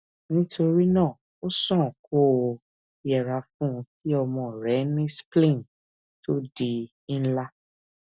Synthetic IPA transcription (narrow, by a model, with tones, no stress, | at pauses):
nĩ˦tʰo˧ɾi˦nãː˦˨ | o˦sɔ̃˦˨ko˦˨ | i˨jɛ˨ɾa˨˧fũ˦˧ki˦ɔ˧mɔ̃˨ɾɛ˨˦nĩ˦splĩ˦˨n | to˦di˨˧ | ĩ˦la˦